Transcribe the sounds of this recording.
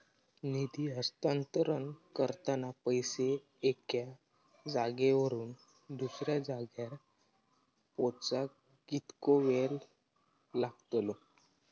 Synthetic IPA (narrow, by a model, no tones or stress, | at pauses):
nid̪iːəst̪ant̪ɾənkəɾt̪anapəjseː | kja | d͡zaɡeʋəɾuːn | d̪usɾjad͡zaɡjaɾ | pot͡sa | ɡ̥it̪koʋelː | aɡt̪lo